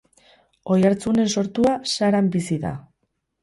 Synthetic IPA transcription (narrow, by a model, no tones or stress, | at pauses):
o̞jaɾt͡sune̞nso̞ɾt̪uasaɾambisiða̰